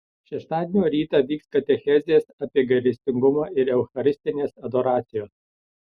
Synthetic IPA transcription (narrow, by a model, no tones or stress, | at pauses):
ʃʲɛʃt̪ɑːd̪ʲenʲoːɾʲiːt̪ɑːʋʲiːkskɐt̪ʲɛxʲɛzʲeːsɐpʲiɛɡɐɾʲɪsʲt̪ʲɪŋɡʊmɑːʔɪɾɛʊxɐɾʲɪsʲt̪ʲɪnʲeːsɐd̪oːɾɑːt̪sʲɪjoːs